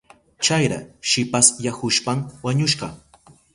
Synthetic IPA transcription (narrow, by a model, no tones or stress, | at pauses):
t͡ʃajɾa̰ʃɪpasjahʊʃpamwaɲʊʃɢɑ